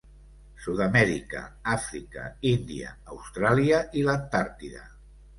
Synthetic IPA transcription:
suðamɛɾikə̰afɾikə̰ind̪iə̰ːwst̪ɾaliəʔilant̪aɾt̪iðə̰

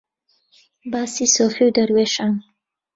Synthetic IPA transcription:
basisofiwd̪əɾweʃan

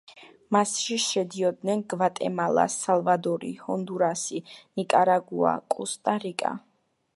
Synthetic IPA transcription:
masʃiʃɛd̪iɔd̪nɛnɡvat̪ʼɛ̰malˠa̰salˠvad̪ɔɾḭhɔnd̪uɾasinikʼaɾaɡua̰kʼust̪ʼaɾikʼa̰

